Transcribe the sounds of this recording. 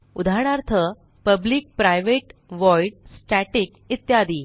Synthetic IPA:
ud̪ʱaɽ̃aɾt̪ʰə | pəbliːk̚pɾajʋeʈʋɔjɖsʈæʈik | it̪jad̪iː

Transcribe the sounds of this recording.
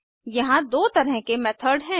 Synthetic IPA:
jɐɦãd̪oːt̪ɐɾəɦkemɛt̪ʰəɾɖɦɛ̃ː

